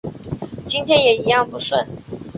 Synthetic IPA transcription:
t͡ɕi˥nt̪ʰjɛ˥njɛ˨˩i˧˥jɑ˥˩ŋpu˧˥ʂwə˥˩n

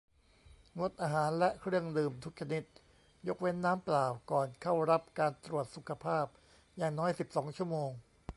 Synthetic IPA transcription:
ŋo˦˥t̪̚ʔaː˧ɦaː˩˦nlɛ˦˥kʰɾɯ˥˩əŋdɯː˧mt̪ʰu˦˥k̚t͡ɕʰa˧ni˦˥t̪̚ | jo˦˥k̚we˦˥nːaː˦˥mplaː˨˩wkɔː˨˩nkʰa˥˩wɾa˦˥p̚kaː˧nt̪ɾu˨˩ət̪̚su˨˩kʰa˧pʰaː˥˩p̚ | jaː˨˩ŋnɔː˦˥jsi˨˩p̚sɔː˩˦ŋt͡ɕʰu˥˩əmoː˧ŋ

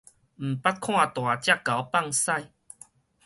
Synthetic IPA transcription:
m̩˨˩pa˦t̚kʰw̃ã˥˧t̪w̃a˨˩t͡ɕja˦˧˩kːa˨˦wpa˥˧˨ŋsa˥˨j

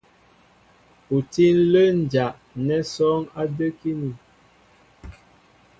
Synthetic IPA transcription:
u˨ti˦n˦lə˦n˨d͡ʒa˨ʔ | nɛ˦sɔ˦ŋa˦də˦ki˦ni˨

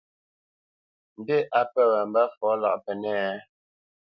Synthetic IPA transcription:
m̩˨de˦ʔa˨pɛ˦˨wə˨m̩˨bə˦fɔ˨˦la̰˨ʔpɛ˨nɛ˦˨˦

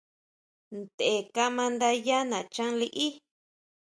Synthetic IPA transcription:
nd̪e˨e˨ka˧mã˧nd̪a˧ja˦nã˨t͡ʃã˦li˧ʔi˦

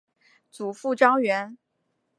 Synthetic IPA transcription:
t͡su˨˩fu˥˩ʈ͡ʂɑ˥ŋɥɛ˧˥n

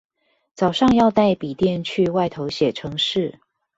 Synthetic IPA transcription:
t͡sɑ˨˩ʊʂɑ˥˧ŋjɑ˥˧ʊt̪a˥˩ɪpi˨˩t̪jɛ˥˨nt͡ɕʰy˥˧wa˥˩ɪt̪ʰo˧˦ʊɕjɛ˨˩ʈ͡ʂʰɤ˧˥ŋʂɻ̩˥˨

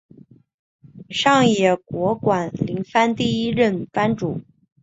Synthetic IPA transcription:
ʂɑ˥˩ŋjɛ˨˩kwɔ˧˥kwa˨˩nli˧˥ŋfa˥nt̪i˥˩i˥ɻə˥˩nfa˥nʈ͡ʂṵ˨˩˦

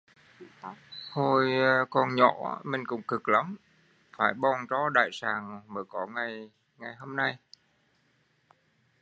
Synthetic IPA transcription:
ho˨˧˩jkɔ˧˩nɲɔ̰˧˩˦mï˨˩ŋ̟kʊ̰˧˥ŋ͡mkɨ˨˩k̚la˨˦m | faː˧˩jɓɔ˧˩nt͡ɕɔ˨˦ɗa̰ː˧˨jsaː˨˩ŋɓəː˧˩jkɔ˧˩ŋa˨˩j | ŋa˨˩jho˧mna˧j

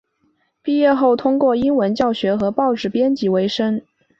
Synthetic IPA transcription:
pi˥˧jɛ˥˧xo˥˩ʊt̪ʰʊ˥ŋkwɔ˥˩i˥nwə˧˥nt͡ɕjɑ˥˩ʊɕɥɛ˧˥xɤ˧˥pɑ˥˧ʊʈ͡ʂɻ̩˥˩pjɛ˥nt͡ɕi˧˥we˧˥ɪʂə˥ŋ

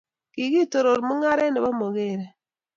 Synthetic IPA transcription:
ki˨ɡi˦˨to˨ɾo˨ɾmu˦ŋa˦ɾɛ˦nɛ˨ba˦mo˨ɡe˦˨ɾe˨

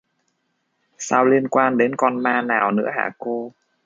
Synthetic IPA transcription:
saː˧wli˧ənkwaː˧nɗe˨˦nkɔ˧nmaː˧naː˨˩wnɨ̰˧˥əɦa̰ː˧˨˩ko˧

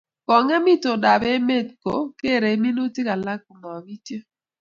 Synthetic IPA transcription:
kɔ˨ŋa˦mi˦to˨da˨be˦me˦˨t̚ko̰˨ke˦˨ɾe˨˦mi˦no˦ti˦ka˨la˦k̚u˨ma˨bi˦tje˦

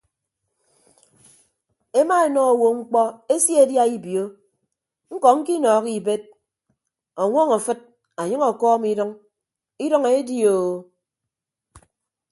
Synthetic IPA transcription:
e˦ma˦e˨nɔ˦o˨wo˨ŋ͡m̩˦k͡pɔ˦e˦sje˦˨˦dja˦i˦bjo˦ | ŋ̩˦kɔ˨ŋ̩˦ki˦nɔː˨˦ki˨be˦t̚ | ɔ˨ŋʷɔ˦ŋa˨fɨ˦t̚ | a˨ɲɨ˦ŋɔ˨kɔː˦mi˦dɔ˦ŋ | i˦dɔ˦ŋe˨˦di˦o˨

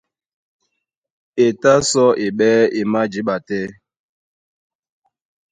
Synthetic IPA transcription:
e˨ta˦sɔ˦ʔe˨ɓɛː˦e˨ma˦d͡ʒi˦ɓa˨tɛ˦

